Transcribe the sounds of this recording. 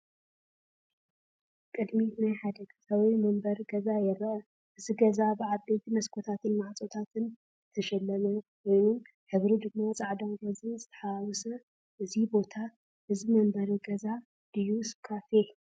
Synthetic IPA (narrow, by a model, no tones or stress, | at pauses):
kʼɨd̪minajħad̪ɐɡsɐwimɐmbɐɾɡɐzajɛɾʔɐ | ʔɨziɡɐzabɨʕabejt̪ʰimɐskʰot̪ʰat̪ʰɨnmaʕt͡sʼot̪ʰat̪ɨn | t̪ʰɐʃɛlːɐmɐnwo̞jnum | ħɨβɾid̪ɨɡmːat͡sʼaʕd̪omɾozɨnzɨt̪ʰɐ̥ħawɔsɐ | ʔɨzibo̞t̪ʰa | ʔɨzimɐmbɐɾuɡɐza | d̪̥ɨjːusɨβkʰafe